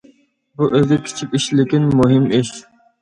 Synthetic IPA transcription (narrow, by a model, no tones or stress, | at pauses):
buʔøzʲɪkʲʰi̥t͡ʃʰipʲiʃlɪkʲinmuɦɪmiʃ